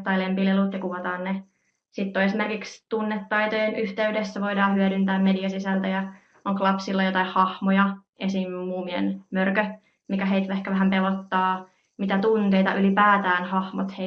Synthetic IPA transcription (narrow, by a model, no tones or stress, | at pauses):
t̪ːɑilempilelut̪jɑkuʋɑt̪ɑːnne | sit̪ːoesimerkikst̪unːet̪ːɑit̪ojenyht̪eydesːæʋo̞idɑːhyæɾynt̪æːmmediɑsisælt̪æjɑ | oŋklɑpsilːɑjot̪ɑihhɑhmojɑ | esimmuːmiḛnmørkø | mikæɦeit̪ʋæehkæʋæɦæmpelot̪ːɑː | mit̪æt̪unt̪ejt̪ɑ̰ʔylipæːt̪æːnhɑhmot̪he